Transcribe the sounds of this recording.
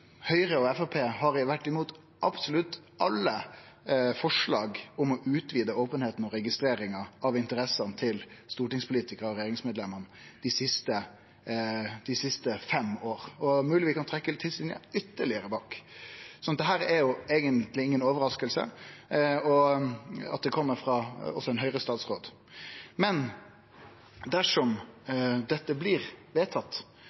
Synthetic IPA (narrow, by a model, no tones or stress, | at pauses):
hœʏɾəɔɛfɔpʰeːhɑɾɪʋæʈːɪmuːt̪ | ʔɑpsʊlʉt̪ː | ʔɑlːə | fɔʂlɑːɡʊmɔʔʉːt̪ʋiːd̪əoːpənheːt̪n̩ɔɾɛɡɪst̪ɾeːɾɪŋɑʔɑʋɪnt̪əɾɛsɑnt̪ʰɪlst̪uːʈɪŋspʊliːt̪ɪkəɾɔɾɛjeːɾɪŋsmeːd̪lɛmːənəd̪̥ɪsɪst̪ə | d̪̥ɪsɪst̪əfɛmoːʁɔmʉːlɪʋiːkʰɑnt̪ʰɾɛkːəlt̪ʰːɪlsɪnə̰ʏt̪ːəɭɪəɾəbɑːksɔnɑt̪d̪ɛɦæːɾɛɾjʊeːɡənt̪lɪɪŋːənoːʋəɾɑskəlsə̰ | ɔ | ɑ̰t̪̚d̪ɛkʰɔmːəɾfɾɑɔ̰sːɔɛnɦœʏɾəst̪ɑːt̪sʁoːd̪ | mɛn | d̪æʂɔm | d̪ɛt̪ːəblɪɾʋeːt̪ʰɑt̪ː